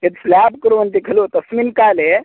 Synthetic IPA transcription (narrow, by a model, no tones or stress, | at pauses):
et̪slaːbkəɾuʋənt̪ikʰɐlot̪ɐsmilkaːle